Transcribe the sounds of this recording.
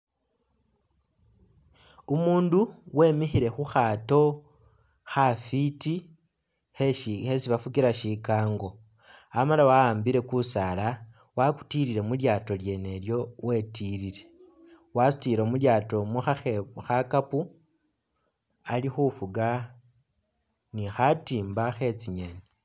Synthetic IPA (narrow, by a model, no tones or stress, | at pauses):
umuːnduwe̞ːmixiɾe̞xuxato̞ | xafiti | ehesiβafukiɾaʃikaːŋɡo̞ | amalawaaːmbiɾe̞kusala | waku̥tiɾiɾe̞muljaːto̞lje̞ne̞ljo̞we̞tiɾiɾe̞ | wasu̥tiɾo̞muljaːto̞muxaexakapu | alixufuɡa | nixatiːmbaxe̞t͡siɲeni